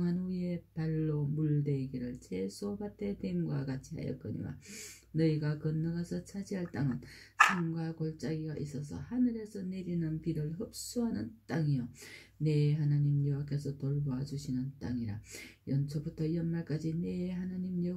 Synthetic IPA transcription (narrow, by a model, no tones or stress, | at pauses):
ŋɦanuie̞paɭːomuɭde̞ɡiɾɯɭt͡ɕʰesʰopatʰe̞teimɡwakat͡ɕʰiɦa̰jʌ̰k͈ɯɲḭwa̰ | nʌiɡakɯnːʌɡasʰʌt͡ɕʰad͡ʑiɦaɭt͈aŋɯn | sʰamɡwakoɭt͡ɕ͈aɡiɡaʔis͈ʌs̬ʰʌ̰hanɯɾe̞sʰʌne̞ɾinɯnpiɾɯɭhɯp̚s͈uɦanɯnt͈aŋijo | ne̞ɦanaɲimjʌwakʰe̞s̬ʰʌtoɭboɦad͡ʑuɕʰinɯnt͈a̰ŋiɾajʌnt͡ɕʰʌbutʰʌiʌnmaɭk͈ad͡ʑine̞hanaɲimjʌ